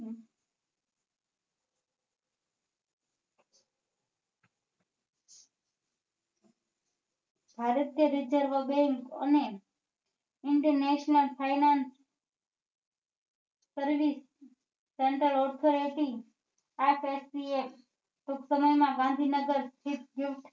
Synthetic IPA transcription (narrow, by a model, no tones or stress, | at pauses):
bʱaːɾət̪jəɾɪd͡ʒəɾʋəbeŋkə̰ne | ɪɳʈəɾneʃnəlpʰajnans | əɾʋisː | eɳʈɾəlɔɾt̪ʰoɾeʈi | apʰesie | ʈuksəməjmãɡãnd̪ʱinəɡəɾst̪ʰit̪̚ɡjuʋt̪